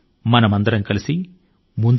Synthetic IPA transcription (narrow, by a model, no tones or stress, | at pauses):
mɐnɐmɐnd̪ɐɾɐmkɐlisi | mund̪